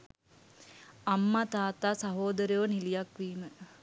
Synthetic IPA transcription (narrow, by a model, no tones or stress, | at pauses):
amːat̪aːt̪aːsaɦoːd̪əɾjoʋənilijakʋiːmə